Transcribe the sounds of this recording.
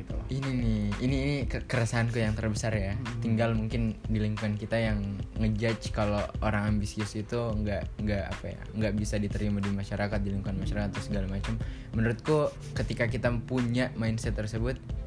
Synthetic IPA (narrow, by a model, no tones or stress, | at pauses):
t̪uininiiniːnikəkəɾasaankujaŋt̪ərbəsarjat̪iŋɡalmuŋkɪndiliŋkuankit̪ajaŋːəd͡ʒat͡ʃkalooɾaŋambisiʊsit̪uəŋɡaʔŋɡaʔa̰paja̰ŋɡaʔbisadit̪əɾimaduimaʃaɾakat̪̚diliŋkuanmaʃaɾakat̪ːʊsəɡalamat͡ʃammənuɾʊt̪̚ku | kət̪ikakit̪apuɲaʔmaɪnsɛt̪ːərsəbʊt̪̚